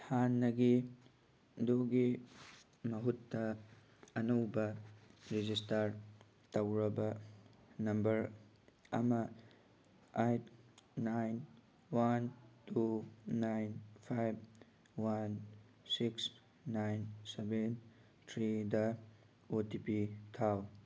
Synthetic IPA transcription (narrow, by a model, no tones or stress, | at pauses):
hanːɐɡi | doɡi | mɐɦutːɐː | nɐwbɐɾid͡ʒistaɾ | tɐwɾɐbɐ | nɐmbɐɾ | ɐ̰mɐ | ajtːajn | wantuːajnpʰajb̚ | wan | siksː | ajnseben | tʰɾidɐ | otipitʰaw